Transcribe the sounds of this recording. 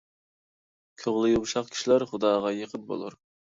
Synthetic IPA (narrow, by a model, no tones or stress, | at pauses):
kʲʰoʁlˠɨjumʃˠɑqkʲʰi̥ʃilæɾχʊd̪ɑːʁɑjeqʰəp̪̚bo̰lˠuɾ